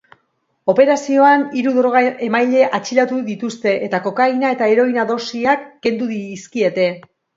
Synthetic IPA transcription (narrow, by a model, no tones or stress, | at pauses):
o̞pe̞ɾasio̞aniɾuðoɾoɣae̞majʎe̞ʔat͡ʃilat̪uðit̪ust̪e̞ʔet̪ako̞kajnae̞t̪ae̞ɾo̞jnaðo̞siakːe̞nd̪uðiːskie̞t̪e̞